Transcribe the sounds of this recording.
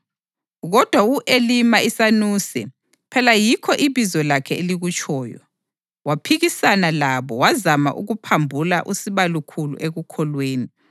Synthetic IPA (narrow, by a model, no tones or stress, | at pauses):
ɣɔd̥ʱwaɣuʔelimaisanusɛ | pʰɛlajikʰɔʔiβizɔlakʰɛeliɣut͡ʃʰʼɔːjɔ̰ | wapʰiɣisanalaβɔwazama̰ʔuɣupʰambʱula̰ʔusiβalukʰulṵʔeɣukʰɔlweːni